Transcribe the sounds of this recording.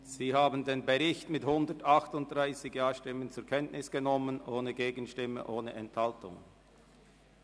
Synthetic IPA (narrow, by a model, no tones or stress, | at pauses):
z̥iːhaːbən̩deːnbəʁɪçtmɪthʊndətɑχtʊnt̚d̥ʁaɪsɪɡjaːʃtɪmənt͡sʊɐkʰɛntnʔɪsɡ̥ənɔmənʔoːnəɡeːɡənʃtɪmə̰ʔoːnəʔɛnthaltʊ̰ŋ